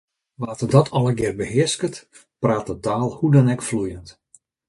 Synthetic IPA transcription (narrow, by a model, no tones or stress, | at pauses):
ʋaːtədɔtʰɔlˠəɡɪrbəɦɪəskət | praːtətaːlˠhudɔnɛkflujənt